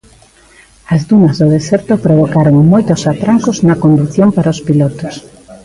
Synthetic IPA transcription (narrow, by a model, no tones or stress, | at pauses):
ɐzðunɐzðoðesɛɾt̪opɾoβ̞okaɾoŋmojt̪osat̪ɾaŋkoznɐkond̪uθjompaɾɐospilɔt̪os